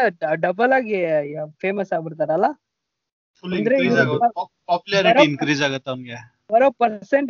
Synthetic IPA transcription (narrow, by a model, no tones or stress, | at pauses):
ɖɐbɐlaːɡipʰeːmɐsaːɡbiɽt̪aːɾeɐlːa | fuɐnd̪ɐɾeiʋɐu | paːpjulɐɾɐɾɐinkɾiːd͡ʒaːɡɐt̪ːeɐmɡe | ʋɐɾopɐɾseɳʈ